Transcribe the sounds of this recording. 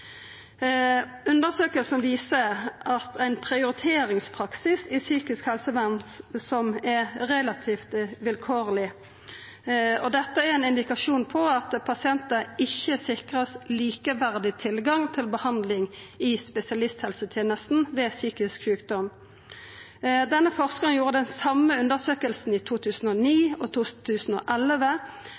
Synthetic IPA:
ʉnd̪əsøːkəlsn̩ʋiːsəʔɑt̪æɪnpʰʁɪʊɾɪt̪ʰeːɾɪŋspʰʁɑksɪsɪsyːkɪskhɛlsəʋænsɔmɛɾɛlɑt̪ʰiːft̪ʋɪlkʰoːʁlɪ | ɔd̪ɛt̪ːəɛɾɛnɪnd̪ɪkɑʂuːnpʰɔɑt̪pʰɑsɪɛnt̪əɪçːəsɪkʁəsliːkəʋæʁd̪ɪt̪ʰɪlɡɑŋt̪ʰɪlbəhɑnd̪lɪŋɪspɛsɪɑlɪst̪hɛlsət̪ʰjeːnəst̪n̩ʋeːsyːkɪskɕʉːkd̪ɔm | d̪ɛnːəfɔʁskəʁəŋjuːʁəd̪ɛnsɑmːəʉnd̪əʁsøːkəlsn̩iːt̪ʰuːt̪ʰʉːsn̩ɔːniːɔt̪ʰuːt̪ʰʉːsn̩o̰ːʔɛlʋə

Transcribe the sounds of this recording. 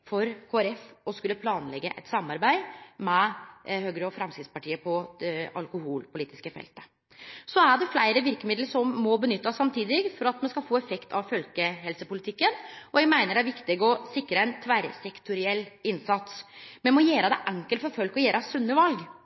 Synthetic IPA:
fɔɾkʰoːæɾɛfɔskʉlːəpʰlɑːnlɛɡːəʔɛ̰t̪sɑmɑɾbæɪmɛhøːɡɾəɔfɾɛmskɾɪt̪spɑʈʰiːəpʰɔɑ̰lkʊhuːlpʊliːt̪ɪskəfɛ̰lt̪ə̥ | sɔæɖɛflæɪɾəʋɪɾkəmɪd̪ləʂɔmːɔbənʏt̪ːɑsɑmt̪ʰiːd̪ɪɡfɔɾɑt̪mɛnskɑlfoːɛfɛkt̪ʰɑʋfœlkəɦɛlsəpʊlɪt̪ʰɪkːənɔjɛɡmæɪnəɖæɾʋɪkt̪ɪɡəɔsɪkːɾəɛnt̪ʰʋæɾsɛkt̪ʊɾɪɛlːɪnsɑt̪smɛnmɔjeːɾəd̪ɛʔæŋkəlfɔɾfœlkɔjeːɾɑsʉnːəʋɑlɡ

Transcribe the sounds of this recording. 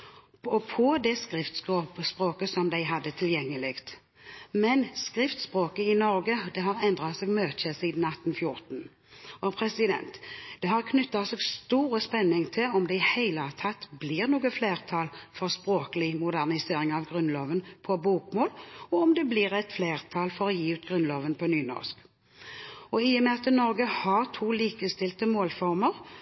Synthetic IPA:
ɔpʰɔd̪ɛskɾɪft̪skoːpspʁoːkəsɔmd̪æɪɦɑd̪ːət̪ʰɪljɛŋːəlɪɡt̪ | mɛnskɾɪft̪spʁoːkəɪnɔɾɡəd̪ɛɦɑɾɛnd̪ɾɑt̪sɛːɡmøːt̪t͡ʃəsiːd̪n̩ɑt̪ːn̩fjʊɾt̪n̩ | ɔpʰɾɛsɪd̪ɛ̰nt̪d̪̥ɛɦɑʁkʰnʉt̪ːɑt̪sɛːɡst̪uːɾəspɛnːɪŋt̪ʰɪlɔmd̪ɛɪhæɪlət̪ʰɑt̪ːbliːʁnuːɡəfleːʁt̪ʰɑːlfɔʁspɾoːkəlɪmʊd̪æʁnɪseːɾɪŋɑʋɡʁʉnloːʋənpʰɔbuːkmoːlɔɔmd̪ɛblɪːɾɛt̪fleːʁt̪ʰɑːlfɔɾɔjiːʉːt̪ɡʁʉnloːʋənpʰɔnyːnɔ̰ʁsk | ɔɪjəmɛɑt̪ːənɔɾɡəhɑʁt̪ʰuːliːkəst̪ɪlt̪əmoːlfɔʁməʁ

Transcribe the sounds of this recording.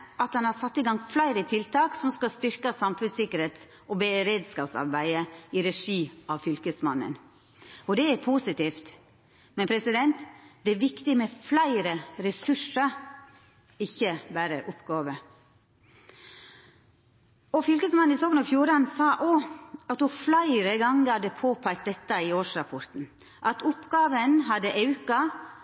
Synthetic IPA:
ʔɑt̪ɑnhɑɾsɑt̪ːɪɡɑŋflæɪɾət̪ʰɪlt̪ʰɑːksɔmskɑst̪ʏɾkəsɑmfʉnsɪkəɾeːt̪s | ʔɔbɛɾeːd̪skɑːpsɑ̰ɾbæɪəiɾɛʂiːɑʋfʏlkəsmɑnːə̰n | ɔd̪ɛæɾpʰuːsɪt̪iːft̪ | mɛnpʰɾɛsɪd̪ɛnt̪d̪̥ɛæɾʋɪkt̪ɪmɛflæɪɾəɾɛsʉʂə | ɪçːəbæːɾəʔʊpɡɑːʋə | ɔfʏlkəsmɑnɪsoːɡənɑfjuːɾɑnsɑːʔoːɑt̪hʊflæɪɾəɡɑŋɡəhɑd̪əpʰoːpʰæk̚t̪̚d̪ɛt̪ːəɪoːʂɾɑpʰɔɾt̪n̩ | ʔɑt̪ʰʊpɡɑːʋənɦɑd̪əʔɑʉkɑ

